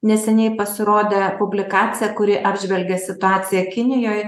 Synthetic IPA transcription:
nʲɛsʲɛnʲɛɪpɐsʲɪɾoːd̪ʲepʊbʲlʲɪkɑːt͡s̪ʲɪjɛkʊɾʲɪʔɑːbʲʒʲʋʲɛlʲɡʲesʲɪt̪ʊɑːt͡s̪ʲɪjɛkʲɪnʲɪjoːj

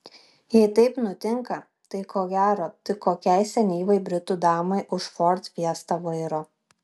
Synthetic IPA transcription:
jɛɪt̪ɐɪpnʊt̪ʲɪŋkɐ | t̪ɐɪkʰoːɡʲæːɾoːt̪ɪkoːkʲɛɪsʲɛnʲiːʋɐɪbʲɾʲɪt̪uːd̪ɑːmɐɪʔʊʃfɔɾt̪ʋʲiɛst̪ɐʋɐɪɾoː

